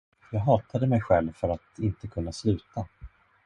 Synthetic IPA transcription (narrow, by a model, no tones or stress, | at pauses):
jɑːɡɦɑːt̪ʰad̪əmɛjɧɛlvfœɾat̪ɪnt̪əkʰɵnːaslʉ̟ːt̪ʰa